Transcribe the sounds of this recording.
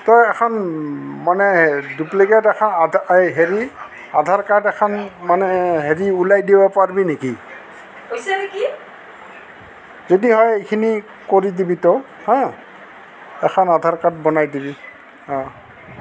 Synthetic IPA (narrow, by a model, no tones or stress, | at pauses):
tɔjɛkʰɔnmanɛduplikɛtɛkʰɔnɦeɹi | adʱaɹkatɛkʰɔnmanɛɦeɹiulajdibɔpaɹbineki | ki | zodiɦɔjikʰini | koɹidibitɔ | hɔ̃ | ɛkʰɔnadʱaɹkat̚bɔnajdibi | hɔ̃